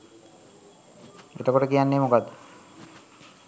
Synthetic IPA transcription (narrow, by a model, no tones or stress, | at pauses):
ḛʈakoʈekianːemokad̪